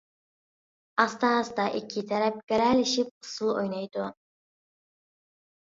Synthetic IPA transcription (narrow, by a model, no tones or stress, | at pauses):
ɑst̪ɑzd̪ɑʔɪkʲʰːɪt̪ʰæɾæp̚ɡʲæɾælɪʃɪp̚ʊ̥sulˠo̰jnɑjd̪ʊ